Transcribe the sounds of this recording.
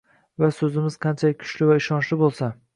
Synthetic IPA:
vasɵzɪmɪzqʰɑnt͡ʃʰakʲʰʊ̥ʃlɪvaɪʃɒnʃlɪbolˠsa

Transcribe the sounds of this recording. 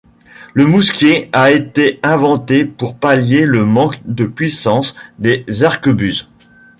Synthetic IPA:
ləmuskʲeaet̪eɛ̃vɑ̃t̪epuʁpaljeləmɑ̃kd̪əpɥisɑ̃sd̪ezaʁkəbyz

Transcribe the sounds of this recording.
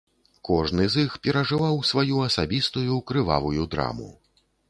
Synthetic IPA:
kɔʐnɨzixpʲɛɾɐʐɨvawsvajuɐsabʲist̪ujukɾɨva̰vujud̪ɾa̰mṵ

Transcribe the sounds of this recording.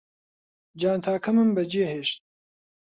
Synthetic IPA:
d͡ʒaːnt̪ʰaːkʰɐmɨmbɐd͡ʒeːɦeːʃt̪̚

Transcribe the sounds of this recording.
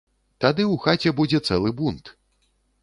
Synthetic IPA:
t̪ad̪ɨwxat͡sʲɛbud͡zʲɛt̪sɛlˠɨbunt̪

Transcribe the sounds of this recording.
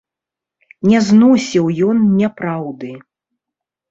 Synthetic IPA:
nʲɛznɔsʲiwjɔnnʲɛpɾawd̪ɨ

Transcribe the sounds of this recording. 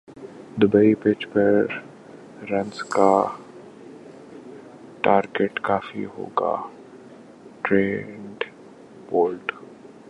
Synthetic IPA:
d̪ʊbeipeːt͡ʃpɐɾː | ɐ̃nska | ʈaːɾɡeʈkaːfḭɦo̰ːɡa̰ː | ʈɾeːɳɖ | poːlʈ

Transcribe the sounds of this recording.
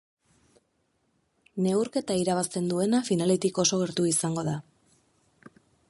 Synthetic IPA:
ne̞wɾke̞t̪aiɾaβ̞ast̪e̞nd̪ue̞nafinale̞t̪iko̞so̞ɣ̞e̞ɾt̪uisaŋɡo̞ða

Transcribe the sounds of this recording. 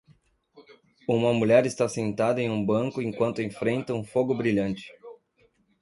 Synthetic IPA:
ũmɐmuʎɛɾɪst̪asẽnt̪ad̪ɐẽj̃ũbɐ̃ŋkʊẽŋkwɐ̃nt̪ʊẽfɾẽnt̪ɐũfoɡʊbɾiʎɐ̃nt͡ʃɪ̥

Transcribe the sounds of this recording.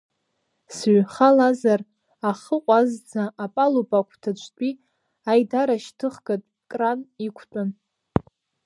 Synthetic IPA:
sɥχalazar | aχəqʷʼazd͡zaʔːpʼalupʼakʷʰtʰat͡ʃʷʰʼtʷʼi | ajdaɾaʃtʰɨχɡatʼ | kʼranikʷʰtʼan

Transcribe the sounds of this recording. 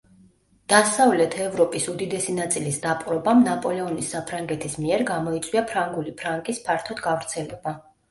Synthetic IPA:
d̪̥asavlɛt̪ʰɛvɾɔpʼisud̪id̪ɛsinat̪sʼilisd̪apʼɾɔbamnapʼɔlɛɔnisːapʰɾaŋɡɛt̪ʰismiɛɾɡamɔit̪sʼwiapʰɾaŋɡulipʰɾaŋkʼispʰaɾt̪ʰɔd̪ɡavɾt̪sʰɛlɛba

